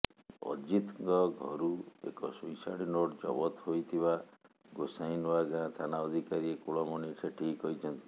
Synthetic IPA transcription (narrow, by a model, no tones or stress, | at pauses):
ɔ̰d͡ʒit̪ŋɡɔɡʱɔ̰ɾuḛkɔsujsaɽinoʈd͡ʒɔbɔt̪ɦojt̪ʰiba | ɡosajnɔaɡãt̪ʰanaɔd̪ʱikaɾiekuɭɔmɔniʈʰeʈʰiːkɔit͡ʃʰɔnt̪i̥